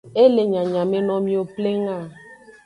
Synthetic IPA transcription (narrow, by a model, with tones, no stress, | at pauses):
e˦le˨ɲa˨ɲa˨me˦nɔ˦mi˦o˦ple˦ŋa˦˨